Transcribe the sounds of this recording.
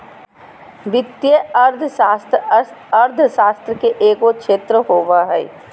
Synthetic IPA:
ʋɪt̪jeɐɾd̪ʱaːst̪ɐɾd̪ʱʃaːst̪ɾəkeʔeːkokʃeːt̪ɾəɦoːʋaɦɛ

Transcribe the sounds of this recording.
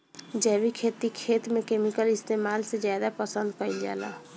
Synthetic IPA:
d͡ʒɛbikʰeːt̪ikʰeːt̪mẽkeːmikəlɪst̪eːmaːlsed͡ʒjaːd̪apəsə̃nd̪kəɪld͡ʒa̰ːla̰

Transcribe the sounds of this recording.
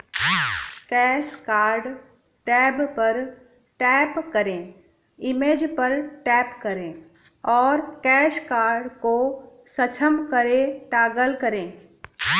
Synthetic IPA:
kɛːʃkaːɾɖ | ʈɛːbpɐɾ | ʈɛːpkɐɾẽː | ɪmeːd͡ʒpɐɾʈɛːpkɐɾẽː | ɔːɾkɛːʃkaːɾɖko | sɐt͡ʃʰəmkɐɾẽʈaːɡəlkɐɾẽː

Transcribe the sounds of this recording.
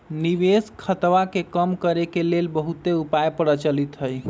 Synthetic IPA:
niʋeskʰət̪ʋakekəmkəɾekelelbəɦut̪eupajpəɽət͡ʃəlit̪ɦəj

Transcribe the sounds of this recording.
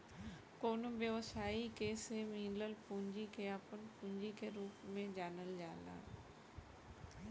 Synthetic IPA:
koːnbjeʋəsaːikeːsemĩːnləlpũːɲd͡ʑikʰeaːpənpũːɲd͡ʑikʰeɾuːpmẽd͡ʑaːnəld͡ʑaːlã̰ː

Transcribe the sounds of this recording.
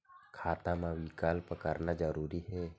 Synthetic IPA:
kʰaːt̪ãmãwikaːlpəkəɾnad͡ʒəɾuːɾiɦɛː

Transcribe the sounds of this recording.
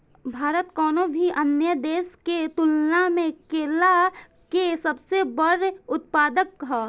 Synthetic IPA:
bʱaːɾət̪kɔːnobʱiʔənjəd̪eːsket̪ʊlnamẽkeːla | kesəbsebəɾʊt̪̚paːd̪əkːɦaː

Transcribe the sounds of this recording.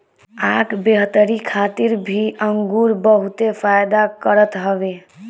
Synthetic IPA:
akʰbeɦt̪əɾikʰat̪iɾbʱiəŋɡuɾbəɦut̪epʰajd̪akəɾət̪ɦəbe

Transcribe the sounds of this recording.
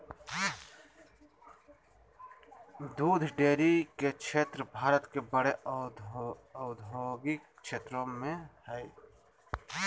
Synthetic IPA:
d̪uːd̪ʱɖeːɾiket͡ʃʰeːt̪ɾbʱaːɾət̪kebəɽe | ɔːd̪ʱoːɡikt͡ʃʰeːt̪ɾõmẽhɛi

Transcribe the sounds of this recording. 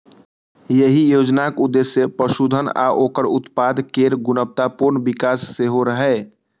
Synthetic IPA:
jəɦijoːd͡ʒnakʊd̪ːesjəpɾəʃud̪ʱəna̰ʔoːkəɾʊt̪paːd̪keːɾɡʊnəp̚t̪apʊɾnbɪkaːsːeɦoɾəɦɛ

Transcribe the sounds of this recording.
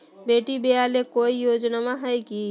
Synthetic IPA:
beʈibealekoijod͡ʒnamaɦəjki

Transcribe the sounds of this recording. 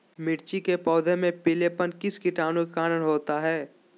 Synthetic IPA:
mɪʈt͡ʃikepɔːd̪ʱẽmẽpɪlepənkɪskɪʈaːnũkaːnənɦoːt̪aɦɛː

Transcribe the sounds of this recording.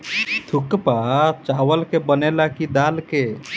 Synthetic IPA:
t̪ʰukpat͡ʃawəlkebənelakid̪alke

